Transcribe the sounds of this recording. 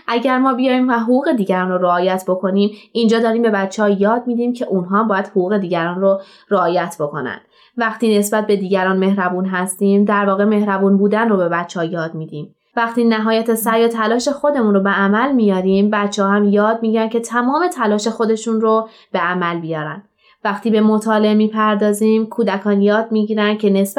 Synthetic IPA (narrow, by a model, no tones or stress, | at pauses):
ʔæɟæɾmɒːbijɒːiːmvæɦoɣuːɣe̞d̪iːɟæɾɒːnroɾeɒːjæt̪ʰbo̞kʰo̞niːmind͡ʒɒːd̪ɒːɾiːmbe̞bæt̪t͡ʃʰːehɒjɒːd̪̚miːd̪iːmcʰe̞ʔunɦɒːmbɒːjæd̪hoɣuːɣe̞d̪iːɟæɾɒːnro | ɾeɒːjæt̪ʰbo̞ko̞̰næ̰nd̪̥ | væχt̪iːne̞sbæt̪̚be̞d̪iːɟæɾɒːnme̞hɾæbuːnɦæst̪iːmd̪æɾvɒːɣe̞me̞hɾæbuːnbuːd̪ænrobe̞bætt͡ʃʰːehɒjɒːd̪miːd̪iːm | væχt̪iːnæɦɒːjæt̪ʰesæɾjɒt̪ʰælɒːʃe̞xo̞d̪e̞muːnɾobeæmælmijɒːdiːmbæt̪t͡ʃʰːehɒhæmjɒːd̪̚miɟiɾæncʰe̞t̪ʰæmɒːme̞t̪ʰælɒːʃe̞xo̞d̪e̞ʃunro | b̥eæmælbijɒːɾæ̰n | væxt̪iːbe̞mo̞t̪ʰɒːle̞emiːpʰæɾd̪ɒːziːmkʰuːd̪ækʰɒːnjɒːd̪̚miːɟiːɾænd̪̥̚cʰe̞ne̞s